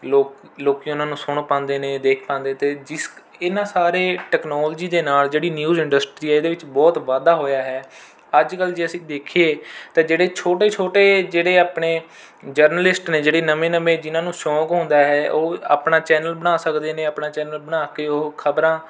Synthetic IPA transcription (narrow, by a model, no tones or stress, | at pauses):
loːk | loːkiːʊnãːnũːsʊɳpãːnd̪eːneːd̪eːkʰpãːnd̪eːt̪eːd͡ʒɪs | ɪnãːsaːɾeːʈɛːknɔːld͡ʒiːd̪eːnaːld͡ʒeːɽiːnjuːzɪ̃ɳɖəsʈɾiːɛːeːd̪eːʋɪt͡ʃbɔːt̪ʋaːd̪aːɦoːjaːɦɛː | əd͡ʒkəld͡ʒeːəsĩːd̪eːkʰeːt̪ãːd͡ʒeːɽeːt͡ʃʰoːʈeːt͡ʃʰoːʈeːd͡ʒeːɽeːaːpɳeː | d͡ʒəɾnəlɪsʈneːd͡ʒeːɽeːnəmeːnəmẽːd͡ʒɪnãːnũːsɔ̃ːkɦõːnd̪aːɦɛːʔoːa̰ːpɳaːt͡ʃɛːnəlbəɽ̃aːsəkd̪eːneːaːpnaːt͡ʃɛːnəlbəɽaːkeːoːkʰəbɾãː